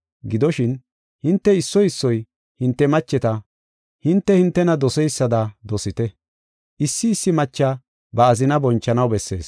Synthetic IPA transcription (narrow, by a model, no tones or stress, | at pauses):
ɡɪd̪ɔʃɪn | hɪnt̪ːɛɪsːɔjɪsːɔj | hɪnt̪ːɛmɐt͡ʃːɛt̪ɐ | hɪnt̪ːɛhɪnt̪ːɛnɐd̪ɔsɛjsːɐd̪ɐd̪ɔsɪt̪ɛ | ʔɪsːɪːsːɪmɐt͡ʃːɐ | bɐːzɪnɐbɔnt͡ʃːɐnɐwbɛsːe̞ːs